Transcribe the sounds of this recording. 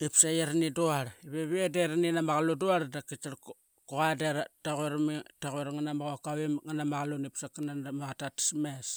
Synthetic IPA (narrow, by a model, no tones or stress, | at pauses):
ipsajeɾniduaɾiβeβiedeɾninamaɣaluduaɾdakit͡ʃaɾ | koɣadeɾataɣueɾmitaɣeɾŋanamaɣakawemŋanamaɣalunipsakanandamaɣatati̥smes